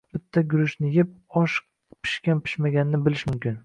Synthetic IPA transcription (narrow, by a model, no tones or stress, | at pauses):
b̥ɪt̪ʰːaɡʲʊɾɪʃnɪjɪp̚ɒʃ | pʰɪ̥ʃkʲanpʰɪ̥ʃmaɡʲanɪnɪbɪlɪʃmʊmkʲɪn